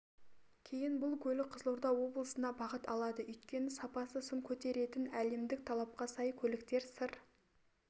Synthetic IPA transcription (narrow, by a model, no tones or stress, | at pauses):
kʲʰe̞jɪnbʊlˠkʲʰɵlɪqʰəzəlˠuɾd̪ɑwo̞blˠəsənɑbɑʁət̪ɑlˠɑd̪əʏjt̪̚kʲe̞nɪsɑpɑsəsʊɴkʲʰɵt̪e̞ɾe̞t̪ɪnæle̞md̪ɪk̚t̪ʰɑlˠɑp̚qɑsɑjkʲʰɵlɪkt̪e̞ɾsəɾ